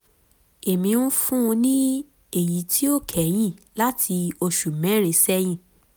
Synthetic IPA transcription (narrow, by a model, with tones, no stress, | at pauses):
e˨mĩ˧˦nũ˦fũ˦˧nĩ˦ | e˦˨ji˨˦tʰi˦o˦˨kʰɛ˨˦j̃ĩ˦˨la˦tʰi˧o˧ʃu˨mɛ̃˨˦ɾ̃ẽ˨˧sɛ˦j̃ĩ˦˨